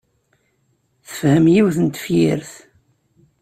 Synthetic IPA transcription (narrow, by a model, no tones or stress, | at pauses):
θə̥fhəmjiwθənt̪ə̥fjiɾθ